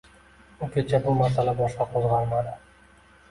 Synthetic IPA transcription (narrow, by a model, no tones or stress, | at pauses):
ʊkʲʰet͡ʃʰabʊmaɾsalabɒʃqɑqʰozʁɑɾmad̪ɪ